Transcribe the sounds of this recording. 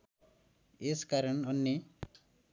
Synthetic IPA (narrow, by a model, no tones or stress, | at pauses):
eskaɾəɳʌnːi